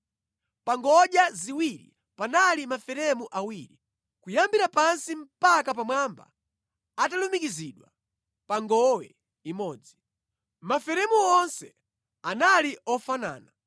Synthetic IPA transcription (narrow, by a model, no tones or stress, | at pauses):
paŋɡɔɗjaziwiɾḭ | panalimafɛɾɛmuʔawiɾi | kujambiɾapansim̩pakap̬amwamba̰ː | talumikiziɗwa | paŋɡɔwɛ̰ | imɔːd͡zi | mafɛɾɛmuɔnsɛ | analiɔfana̰ːna